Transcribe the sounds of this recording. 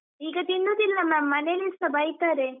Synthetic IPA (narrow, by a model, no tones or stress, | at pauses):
iːɡɐt̪inːud̪ilːɐmamːɐnelisɐbɐjt̪aːɾe